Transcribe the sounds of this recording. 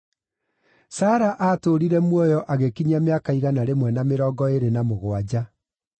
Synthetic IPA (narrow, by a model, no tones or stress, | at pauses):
saːɾaʔatoɾiɾɛmwɔjɔʔaɣekiɲameakaiɣanaɾemwɛnameɾɔːɡɔeɾenamoɣwad͡ʑa